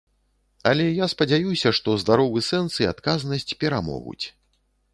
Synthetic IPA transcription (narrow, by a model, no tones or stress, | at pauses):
ɐlʲɛjaspɐd͡zʲajusʲɐʂt̪ɔzd̪aɾɔvɨsɛnt̪sia̰t̪kaznɐsʲt͡sʲpʲɛɾamɔ̰ɣṵt͡sʲ